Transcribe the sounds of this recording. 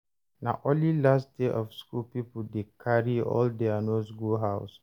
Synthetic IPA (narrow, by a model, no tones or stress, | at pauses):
naʔɔ̃nlilastdeʔɔfskulpipəldekʰaɹiɔ̰ldɛanosɡuɦaʊs